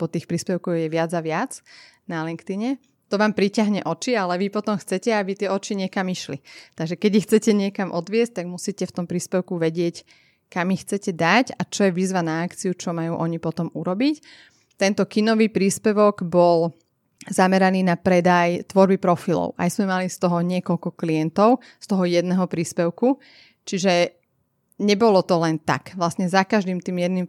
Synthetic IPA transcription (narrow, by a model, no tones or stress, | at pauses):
pɔt̪iːxpɾiːspɛʊkɔɣjɛʋɪad͡zaʋɪad͡z | nalɛŋkt̪iɲɛ | t̪ɔʋaːmpɾicaɦɲɛʔɔt͡ʃialɛʋipɔt̪ɔmxt͡sɛcɛabit̪ɪɛɔt͡ʃiɲɪɛkamiʃlit̪aɡʒɛkɛɟixt͡sɛcɛɲɪɛkamʔɔd̪ʋɪɛs̚t̪aɡmusiːcɛft̪ɔmpɾiːspɛʊkuʋɛɟɪɛc | kamixt͡sɛcɛd̪acat͡ʃɔjɛʋizʋanaːkt͡siut͡ʃɔmajuːʔɔɲipɔt̪ɔmuɾɔbic | t̪ɛnt̪ɔkinɔʋiːpɾiːspɛʋɔɡbɔl | zamɛɾaniːnapɾɛd̪ajt̪ʋɔɾbipɾɔfilɔ̰ʊʔa̰jzmɛmalist̪ɔɦɔɲɪɛkɔʎkɔklijɛnt̪ɔʊ | st̪ɔɦɔjɛd̪nɛɦɔpɾiːspɛʊku | t͡ʃiʒɛ | ɲɛbɔlɔt̪ɔlɛnt̪a̰kʋlasɲɛzakaʒd̪iːmt̪iːmjɛd̪nim